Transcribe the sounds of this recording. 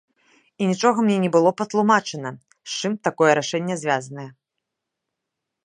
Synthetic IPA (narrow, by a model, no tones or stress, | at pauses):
inʲit͡ʂɔɣɐmnʲɛnʲɛbɨlˠɔpɐt̪lˠumat͡ʂɨnɐ | st͡ʂɨmt̪akɔjɛɾaʂɛnʲːɛzʲvʲazɐnɐjɛ